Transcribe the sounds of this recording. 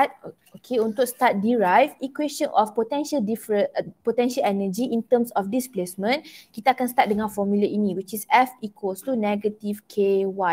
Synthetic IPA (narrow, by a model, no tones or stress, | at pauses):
at̚ | okʰeũnt̪ukst̪at̚diɹajfikweʃə̃nʔɔfpot̪ɛ̃nʃəldifɹəpot̪ɛ̃nʃəlɛnəd͡ʒiʔĩnt̪ə̃msɔfdisplesmə̃nkit̪aakãnst̪at̚dəŋãnfɔmjuləʔinĩwit͡ʃisɛfikʰost̪unɛɡətivkʰewa